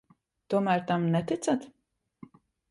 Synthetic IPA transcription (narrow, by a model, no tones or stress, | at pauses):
t̪uɔmæɾt̪amnɛt̪ɨt̪sat̪